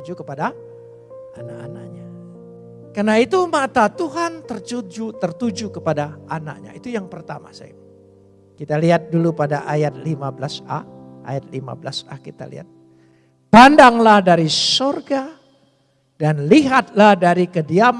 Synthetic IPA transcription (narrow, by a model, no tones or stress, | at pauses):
d͡ʒukəpada | anaʔana̰kɲa | karnait̪umat̪at̪uɦant̪ərt͡ʃud͡ʒut̪ərt̪ud͡ʒukəpadaana̰k̚ɲa̰it̪ujaŋpərt̪ama̰sa̰j | kit̪aliɦat̪̚dulupadaʔajat̪̚limabəlasa̰a̰jat̪̚lima̰bəlasa̰kit̪a̰lḭɦa̰t̪̚ | pandaŋlahdaɾisorɡa | danliɦat̪̚lahdaɾikədiam